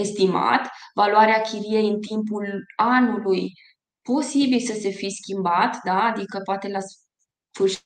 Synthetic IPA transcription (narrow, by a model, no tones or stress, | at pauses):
e̞st̪ima̰t̪valuaɾeakʲʰiɾije̞jɨnt̪impulanuluj | po̞sibilsəse̞fiskʲimbat̪d̪aːd̪ikəpoat̪e̞las | fɨrʃ